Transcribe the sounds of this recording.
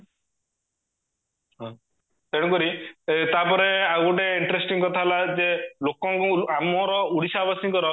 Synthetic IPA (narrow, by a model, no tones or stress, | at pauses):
ɦɔ̃ | t̪eɽũkɔɾit̪apɔɾeaɡuʈeiɳʈɾesʈiŋkɔt̪ʰalad͡ʒelokɔŋkuamɔɾɔuɽisabasĩkɔɾɔ